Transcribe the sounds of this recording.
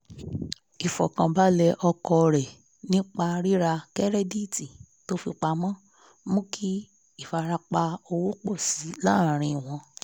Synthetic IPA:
i˨fɔ̰˨kã˨ba˦lɛ˧ʔɔ˧kɔ˧˨ɾɛ˨ | nĩ˦k͡pa˧ɾi˦ɾa˧kɛ˦ɾɛ˦di˦˨ti˨ | to˨˦fi˧k͡pa˧mɔ̃˦ | mũ˦ki˦ | i˦˨fa˧ɾa˧k͡pa˧o˧wo˦k͡po˦˨si˨˦lã˦˨ɾ̃ĩ˧˨w̃ɔ̃˧˦

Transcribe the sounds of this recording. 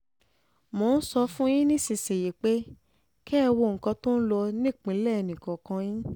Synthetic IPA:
mõ˨˧n̩˦sɔ˧fũ˦jĩ˦nĩ˦˨si˨se˨je˨k͡pe˦ | kɛ˦˧wo˧˨ŋ̩˨kã˧to˦n̩˦lɔ˧nĩ˦˨k͡pĩ˨˦lɛ˦˨ɛ˧nĩ˨kɔ̃˨kã˧jĩ˦

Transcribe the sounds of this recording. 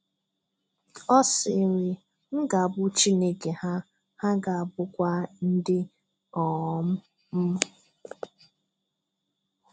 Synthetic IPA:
ɔ˦sɪ˨ɾɪ˨ | ŋ̩˦ɡa˨a˨bʊ˦t͡ʃi˦ne˦ke˨ha˦ | ha˦ɡa˨a˨bʊ˦kʷa˦n̩˦dɪ˦ | ɔ˨˦m̩˦ | m̩˦

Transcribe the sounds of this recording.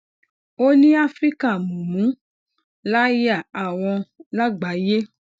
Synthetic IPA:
o˦nĩ˦a˦fɾi˦ka˦˨mũ˨mũ˨˦ | la˦ja˦˨a˨w̃ɔ̃˧la˦ɡ͡ba˨˦je˦

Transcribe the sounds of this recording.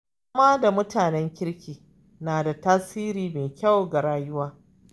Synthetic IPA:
ʊ˦maː˦da˨mʊ˦taː˨nɛ˦ŋkʲɪ˦ɽkʲiː˨ | naː˨da˨taː˦siː˦ɾiː˨meː˨kʲa˦wɡa˨ɽaː˦jʊ˦waː˦

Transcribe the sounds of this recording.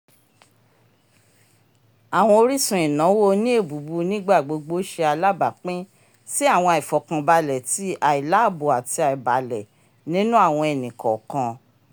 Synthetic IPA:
a˨w̃ɔ̃˧o˧ɾi˦sũ˨ĩ˨nã˨˦wo˦nĩ˦e˦˨bu˨˦bu˧nĩ˦ɡ͡ba˦˨ɡ͡bo˨˧ɡ͡bo˦ʃe˧a˧la˦ba˨k͡pĩ˦ | si˦a˦˨w̃ɔ̃˧a˨i˨fɔ˨kã˧ba˧lɛ˨ti˨˦a˨i˨la˨˦˨bo˨a˨ti˧a˨i˨ba˨lɛ˨ | nĩ˦nũ˦a˦˨w̃ɔ̃˧ɛ˨nĩ˨kɔ˨kã˧

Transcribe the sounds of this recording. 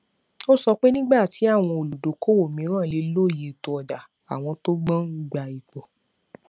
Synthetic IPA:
o˦sɔ˧k͡pe˦nĩ˦ɡ͡ba˦˨ti˨˦a˦˨w̃ɔ̃˧o˨lu˨do˨˦ko˦wo˦˨mĩ˨˦ɾ̃ãː˦˨le˨˧lo˦˨je˨to˧ɔ˨da˨ | a˨w̃ɔ̃˧to˦ɡ͡bã˦ɡ͡ba˧i˨k͡pɔ˨

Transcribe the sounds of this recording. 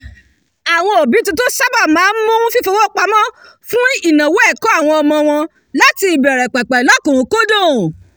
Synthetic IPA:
a˨w̃ɔ̃˧o˨bi˨˦tũ˧˦to˦sa˦ba˦˨mãː˨˦n̩˦mũ˦fi˦fo˧wɔ˦k͡pa˧mɔ̃˦ | fũ˦i˦˨nã˨wo˦ɛ˦˨kɔ˦a˦˨w̃ɔ̃˧ɔ˧mɔ̃˧w̃ɔ̃˧ | la˦ti˧i˨bɛ˨ɾɛ˨k͡pɛ˨k͡pɛ˨lɔ˨˦kũ˨˦ko˦dõ˦˨

